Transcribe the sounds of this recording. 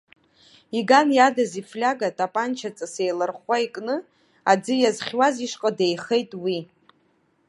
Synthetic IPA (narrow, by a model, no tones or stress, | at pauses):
iɡanjadaziflʲaɡatʼapʼant͡ʃʰat͡sʼasejlɨrχwaikʼnɨ | ad͡zɨjazχʲwaziʂqʼadejχe̞jtʼwi